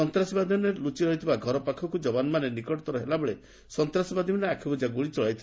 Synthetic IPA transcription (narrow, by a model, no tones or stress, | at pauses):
ɔnt̪ɾasibad̪ʱimanelut͡ʃiɾɔɦit̪ʰibaɡʱɔɾɔpakʰɔkud͡ʒɔbanɔmanenikɔʈɔt̪ɔɾɔɦelabeɭe | sɔnt̪ɾasibad̪ʱimaneakʰibud͡ʒaɡuɭit͡ʃɔɭajt̪ʰi